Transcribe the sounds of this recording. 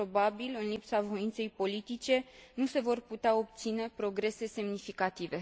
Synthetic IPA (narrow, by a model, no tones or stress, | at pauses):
po̞babilɨnlipsavo̞int̪se̞jpo̞lit̪it͡ʃe̞nuse̞vo̞rput̪eao̞p̚t̪sine̞pɾo̞ɡɾe̞se̞se̞mnifikat̪ive̞